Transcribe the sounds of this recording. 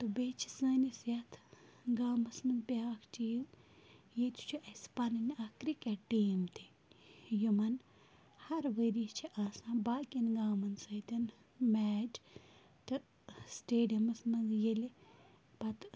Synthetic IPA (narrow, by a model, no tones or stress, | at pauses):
t̪ɨbet͡ʃʰi̥sɐːnisjɐt̪ʰɡaːmɐsmɐnzbjaːkʰt͡ʃiːm | jet̪u̥t͡ʃʰuʔɐspaninakɾikaʈːiːmt̪ʰi̥ | jumɐn | hɐɾʋəɾit͡ʃʰiʔaːsãːbaːkinɡaːmɐnsɐjt̪ɐn | mɛːd͡ʒ | t̪ɨ | sʈeːɖiɐmɐsmɐnzjeli | pɐt̪